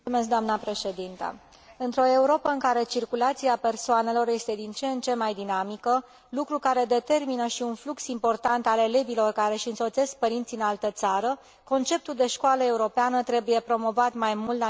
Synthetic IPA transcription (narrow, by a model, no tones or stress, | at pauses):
umeskd̪oamnəpɾe̞ʃe̞d̪int̪ə̰ | ɨnt̪ɾo̞e̞uɾo̞pəɨŋkaɾe̞t͡ʃirkulat̪siape̞rsoane̞lo̞rje̞st̪e̞d̪int͡ʃent͡ʃe̞mːajd̪inamikə | lukɾukaɾe̞d̪e̞t̪e̞rminəʃiunfluksimpo̞rt̪ant̪ale̞le̞bilo̞rkaɾe̞ʃɨnso̞t̪se̞sk̚pəɾint̪siɨnalt̪ət̪saɾə | ko̞nt͡ʃe̞p̚t̪uld̪e̞ʃkoaləe̞uɾo̞peanət̪ɾe̞buje̞pɾo̞mo̞vat̪majmult̪